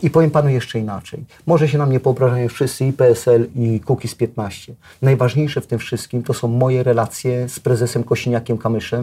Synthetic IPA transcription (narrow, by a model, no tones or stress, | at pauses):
ipɔvʲjɛmpanujɛʂt͡ʂɛina̰t͡ʂɛ̰j | mɔʐɛɕ̬ɛnamɲɛvɔɔbɾaʐajɔ̃fʂɘst̪sɘipɛɛsɛlikukʲispʲjɛt̪naɕt͡ɕɛ | najvaʐɲejʂɛft̪ɘmfʂɘst̪̚kʲimt̪ɔsɔ̃w̃mɔjɛɾɛlat̪sʲjɛspɾɛzɛsɛmkɔɕiɲakʲɛmkamɘʂɛm